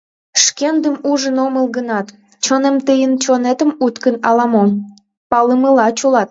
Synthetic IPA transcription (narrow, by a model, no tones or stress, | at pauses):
ʃkend̪əmuʒənoməlˠɡənɑt̪ | t͡ɕonemt̪əjənt͡ɕonet̪əmut̪kənɑlɑmo | pɑləməlɑt͡ɕolɑt̪̚